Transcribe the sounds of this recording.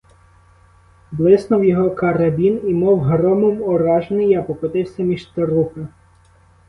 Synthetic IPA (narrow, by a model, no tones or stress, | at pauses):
blˠɪsnʊwjɔɦɔkɐɾɐbʲinimɔwɦɾɔmɔmɔɾɑʒenɪjapɔkɔt̪ɪwsʲɐmʲiʃt̪ɐɾuxɐ